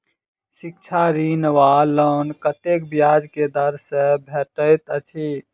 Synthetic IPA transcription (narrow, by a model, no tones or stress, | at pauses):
ʃik̚t͡ʃʰaɾinʋalənkət̪ekbjad͡ʒked̪əɾsebʱeʈəɪt̪ət͡ʃʰi